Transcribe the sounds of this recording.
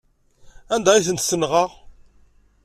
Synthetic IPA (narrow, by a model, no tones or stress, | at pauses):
ænd̪æiθənt̪sənʁɑʁ